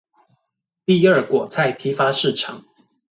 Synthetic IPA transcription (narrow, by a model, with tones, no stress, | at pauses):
t̪i˥˧ə˞˥˩kwɔ˨˩t͡sʰa˥˩ɪpʰi˧˥fa˥ʂɻ̩˥˩ʈ͡ʂʰɑ̰˨˩˦ŋ